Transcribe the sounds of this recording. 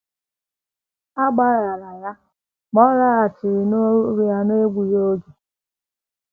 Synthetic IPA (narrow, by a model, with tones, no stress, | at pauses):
a˦ɡ͡ba˦ɾa˨la˨ja˦ | ɡ͡bɔ˦ɾa˦a˨t͡ʃɪ˨ɾɪ˨no˦ɾi˦ja˦ne˦ɡʷu˨jo˦ɡe˨